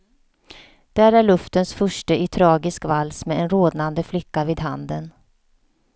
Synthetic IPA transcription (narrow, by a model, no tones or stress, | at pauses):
d̪̥æːɾæɭɵft̪ənsfœʂʈəʔɪt̪ʰɾɑːɡɪskvalːsmɛɛnɾoːd̪nand̪əflɪkːaviːd̪ɦa̰nd̪ən